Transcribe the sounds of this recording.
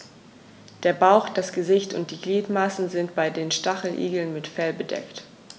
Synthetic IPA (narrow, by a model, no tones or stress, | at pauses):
d̥eːɐbaʊxd̥asɡ̥əzɪçtʊ̰nt̚d̥iːɡliːtmasn̩zɪntb̥aɪdeːnʃtaχl̩ʔḭːɡl̩nmɪtfɛlbədɛ̰kt